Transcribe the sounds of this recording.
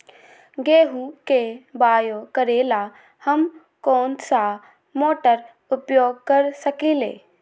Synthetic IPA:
ɡeːɦukebaːjokəɾeːla | həm | koːnsa | moːʈəɾ | ʊpjoːɡ̚kəɾsəkiːlḛː

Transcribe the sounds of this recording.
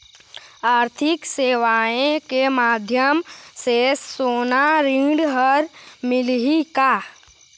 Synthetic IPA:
aːɾt̪ʰɪkseːʋaːẽkemaːd̪ʱjəmsesoːnaɾĩːɖɦəɾmɪlɦikaː

